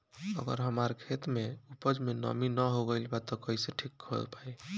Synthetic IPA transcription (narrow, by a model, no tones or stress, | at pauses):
ə̰ɡə̰ɾɦəmaɾkʰet̪meupəd͡ʒmenə̰minəɦoɡəjlbat̪ɔkəiseʈʰikːʰəlpaj